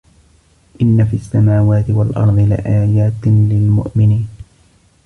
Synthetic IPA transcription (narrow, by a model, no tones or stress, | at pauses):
ʔɪnːafiʔasːamaːwaːt̪ɪwalʔɑ̰ɾˤðˤɨlɪ̰ʔaːjaːt̪lɪlmʊ̰ʔmɪniːn